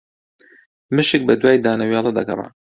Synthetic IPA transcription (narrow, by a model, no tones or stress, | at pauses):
mɨʃɨk̚bɐd̪waːjd̪aːnɐwjaːlˠɐd̪ɐɡɐ̰rˤɐ̰